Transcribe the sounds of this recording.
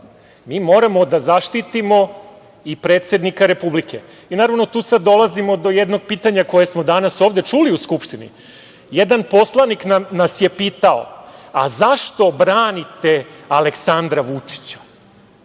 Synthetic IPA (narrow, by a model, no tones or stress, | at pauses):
miːmo̞ɾamo̞d̪azaʃt̪it̪imo̞ | ipɾe̞ːt̪se̞d̪nikaɾe̞publikʰe̞ | inaːɾaʋno̞t̪uːsad̪ːo̞lazimo̞d̪o̞jed̪no̞ɡ̚piːt̪aɲako̞jesmo̞d̪anaso̞ːʋd̪e̞t͡ʂuliuskupʂt̪inḭ | jed̪anpo̞slˠaniknamnasje̞piːt̪ao̰a̰zaʃt̪o̞bɾaːnit̪e̞aleksand̪ɾaʋut͡ʂi̥t͡ɕḁ